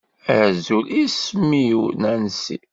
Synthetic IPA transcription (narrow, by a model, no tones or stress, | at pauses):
ʕzulisminænsḭ